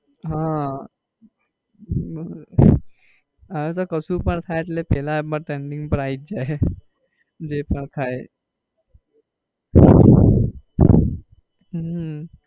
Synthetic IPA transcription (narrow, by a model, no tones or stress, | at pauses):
ɦã | at̪̬okəsupəɳt̪ʰaet̪lepɛːlabəɾʈeɳɖĩŋɡpəɾaːit̪̚d͡ʒae | d͡ʑepəɳt̪ʰae | ɦa | ɦ